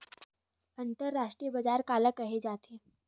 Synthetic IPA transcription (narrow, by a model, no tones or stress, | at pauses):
ənt̪əɾːaʂʈɾijəbəd͡zaɾkaləkəɦed͡zat̪ʰe